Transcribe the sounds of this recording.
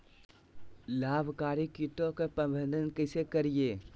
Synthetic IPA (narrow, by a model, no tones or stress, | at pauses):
laːbʱkaːɾikjɪt̪õkepɐ̃bʱə̃nd̪ʱənkəsekɐɾijeː